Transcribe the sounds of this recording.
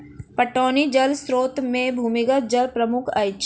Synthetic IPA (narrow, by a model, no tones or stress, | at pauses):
pɐʈoːnid͡ʒɐlsɾoːt̪mẽbʱuːmɪɡət̪̚d͡ʒɐlpɾəmʊkʰɐɪt͡ʃ